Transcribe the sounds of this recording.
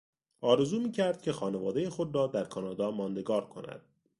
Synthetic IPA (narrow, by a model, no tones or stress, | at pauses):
ɒːɾe̞zuːmiːcʰæɾd̪̥̚cʰe̞xɒːne̞vɒːd̪ejexod̪ɾɒːd̪æɾkʰɒnɒːd̪ɒːmɒːnd̪e̞ɡɒːɾkʰo̞̰næ̰d̪̥̚